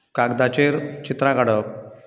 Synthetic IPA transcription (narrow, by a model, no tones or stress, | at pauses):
kaɡd̪at͡ɕeɾt͡ɕit̪ɾaɡaɽə